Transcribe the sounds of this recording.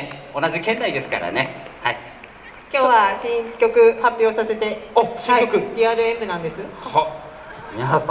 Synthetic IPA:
onaʑikẽ̞nːaid̪e̞sɨ̥ka̰ɾa̰ne̞hai | kʲo̞ːβaɕĩkʲo̞kɯ̟hapʲjo̞ːsase̞t̪e̞osiokɯd̪ʲiaːɾɯ̟ebɯ̟nãnd̪e̞sɨho

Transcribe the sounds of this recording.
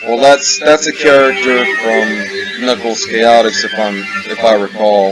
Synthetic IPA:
wʔɛlˠðætsðætsɨkʰɛɹɨk̚tə˞fɹʌ̃m | nʌkl̩ˠskeɪɑɾɨksɨfãɪ̃mɨfaɪɹəkʰɔlˠ

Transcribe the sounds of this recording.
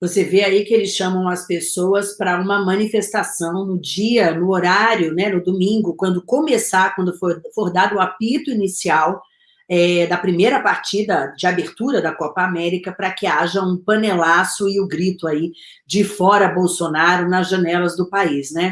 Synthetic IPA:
voseveaikɪelɪsʃɐ̃mɐ̃w̃ɐspesowɐspɾɐũmɐmɐ̃nifest̪asɐ̃w̃nʊd͡ʒiɐnʊoɾaɾjʊnɛnʊd̪omĩŋɡʊkwɐ̃nd̪ʊkomesaɾkwɐ̃nd̪ʊfoɾfoɾd̪ad̪ʊʊapit̪ʊinisiaw | ɛd̪ɐpɾimejɾɐpaɾt͡ʃid̪ɐd͡ʒɪabeɾt̪uɾɐd̪ɐkɔpɐamɛɾikɐpɾɐkɪaʒɐũpɐ̃nelasʊɪʊɡɾit̪ʊai | d͡ʒɪfɔɾɐbowsonaɾʊnɐzʒɐ̃nɛlɐzd̪ʊpaisnɛ

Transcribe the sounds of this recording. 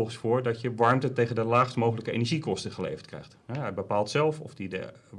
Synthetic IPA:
lˠχəsfʊːɹdɑtjəʋɑɹmtətejχəndəlaːχstmowχələkəḛjnɛɹʒikɔstəχəlḛjfətkrɛ̰jχtɛbəpaːlˠtsɛlˠfɔ̰fdidə̰

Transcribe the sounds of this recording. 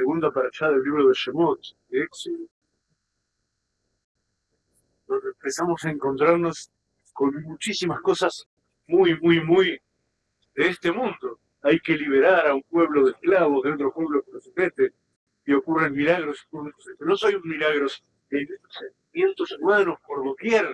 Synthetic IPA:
seɣund̪apaɾaʃaðelːiβɾo̞ð̞eʃemot̪deekst̪ | noempesamo̞saeŋko̞nt̪ɾaɾno̞s | ko̞nmut͡ʃisimasko̞sas | mujmujmuj | ðeest̪e̞mũnd̪o | ajkeliβ̞eɾaɾaumpwe̞β̞loðehklaβo̞ðeot̪ɾopwe̞βlokenoseme̞t̪e | io̞kurenmilaɣɾosunseno̞so̞jummilaɣɾos | ejsent̪imje̞nt̪o̞sumano̞spoɾðoβjeɾ

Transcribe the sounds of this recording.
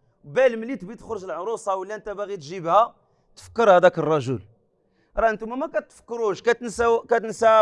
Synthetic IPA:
wbælmlit̪bit̪əxɾʒəlʕɾusˤɑwəlːiʔənt̪æbæɣit̪ʒibhæ | t̪ə̥fə̥kːəɾhæd̪ækərˤːɑʒəl | ɾˤɑənt̪umæmækæt̪ːfə̥kːɾuʃkæt̪nsækæt̪ənsæ

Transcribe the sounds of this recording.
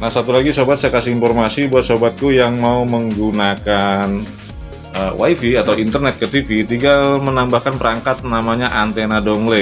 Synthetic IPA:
nahsat̪ulaɡisobat̪̚sajakasiinfɔrmasibuat̪̚sobat̪̚kujaŋmauməŋɡunakan | ʔəwʔa̰ifiat̪awint̪ərnɛt̪̚kət̪ifit̪iŋɡalmənambahkanpəɾaŋkat̪̚namaɲaʔant̪enadɔŋle

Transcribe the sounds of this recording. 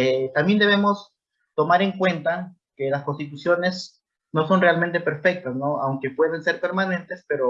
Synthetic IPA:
et̪ambjend̪e̞βe̞mo̞s | t̪o̞maɾe̞ŋkwe̞nt̪a | ke̞lasko̞nst̪it̪̬usjo̞ne̞s | no̞so̞nrealme̞nt̪e̞pe̞ɾfe̞k̚t̪asno̞awŋke̞pwe̞ðense̞ɾpe̞ɾmanẽ̞nt̪e̞spe̞ɾo

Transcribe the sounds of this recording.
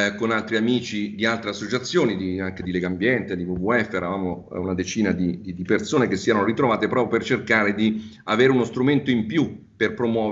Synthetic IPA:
konalt̪ɾiamiːt͡ʃid̪ialt̪ɾeasːot͡ʃat̪sːjoːnid̪iaŋk̟ed̪ilɛːɡambjɛnt̪ed̪ivuvuɛfːeːɾavaːmounad̪et͡ʃiːnad̪id̪id̪ipersoːnekesːiɛɾanoɾit̪ɾovaːt̪epeɾɔpjopert͡ʃerkaːɾed̪i | aveːɾeunost̪ɾument̪oimpjuperpɾomwɔː

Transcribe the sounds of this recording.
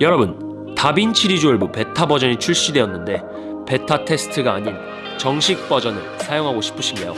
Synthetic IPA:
jʌɾʌbɯn | tabint͡ɕʰiɾid͡ʑoɯɭbupe̞tʰabʌd͡ʑʌɲit͡ɕʰuɭɕ͈idwe̞ʌnːɯnde̞ | pe̞tʰatʰe̞s͈ʰɯ̥tʰɯɡaːɲin | t͡ɕʌŋɕʰik̚p͈ʌd͡ʑʌnɯ̰ɭsʰajoŋɦaɡoɕʰi̥pʰɯɕʰinɡajo̰

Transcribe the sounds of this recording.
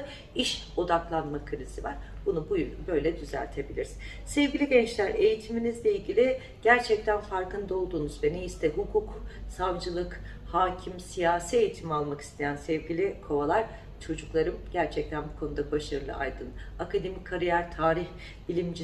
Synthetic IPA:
iʃ | o̞d̪aklˠanmakʰɯɾizivaɾ̥bunubujbø̞jlʲɛd̪yzæ̰lʲt̪ʰe̞bilʲiɾiz̥ | sɛvɟilʲiɟɛnt͡ʃlʲæɾe̞jit̪ʰiminizlʲɛilʲɟilʲi | ɟ̥æɾt͡ʃʰɛc̚t̪ʰænfaɾkʰɯnd̪o̞lˠd̪uːnuzvɛneist̪ʰɛɦukʰuksavd͡ʒɯlˠɯk | haːcʰimsijaːsie̞jit̪ʰimialˠmaki̥st̪ʰe̞jænsɛvɟilʲikʰo̞valˠaɾ̥ | t͡ʃʰo̞d͡ʒuklˠaɾɯmɟ̥æɾt͡ʃʰɛc̚t̪ʰænbukʰo̞nud̪abaʃaɾɯlˠɯ̰a̰jd̪ɯlˠakʰad̪e̞mikʰːaɾijæɾt̪ʰaːɾiç | bilʲimd͡ʒi

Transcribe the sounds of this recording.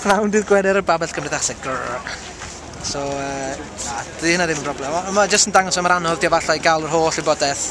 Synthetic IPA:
nawndɨːðɡwɛdɛɾəbabɛɬkʰəmrɪðaχsɛɡ̚ɡəɹ̰ | sɔəːad̥ihənaðɪmənprɔblɛmɔəmad͡ʒəstəndaŋɔsamaɾanɔðdiɔvaɬɔiɡalˠərɦoːɬibɔdɛθ

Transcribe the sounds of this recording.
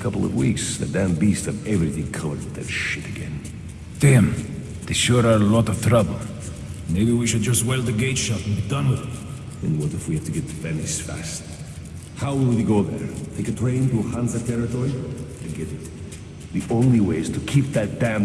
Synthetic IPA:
kʰʌpl̩ˠʌ̰vwḭksðɨ̰dæ̃mbistɨ̃vɛvɹiθɪ̃ŋkʰʌvə̰˞d̚ðɨ̰tʃɪɾɨɡɛ̰̃n | d̥æ̃m | ðeʃʊɾə˞əlɔɾʌv̥t̪ʰɹ̥ʌbl̩ˠ | meɪbiwiʃɨd̚d͡ʒʌst̚weɪlˠðɨɡeɪtʃɑpnbid̥ʌ̃nɪ | ðɨ̰̃nwʌɾɨfwihædtʰɨɡɛt̪̚fænɪsfæ̰st̚ | haʊwɪlˠiɡoʊðə̰˞tʰeɪkɨtʰɹ̥ẽɪ̃ntuhæ̃ntsɨtʰɛɹɨtɔɹiɨ̃nɡɛɾɨt̪ | ðiʔõʊ̃nliweɪɨz̥tʰɨkʰip̚ðɨt̚d̥æ̃m

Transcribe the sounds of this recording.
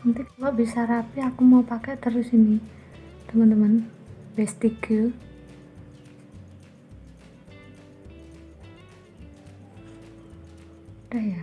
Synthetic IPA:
ant̪ikalɔʔbisaɾapiakumaupakɛʔt̪əɾʊsinit̪əmənt̪əmən | bɛst̪iɡə | daja

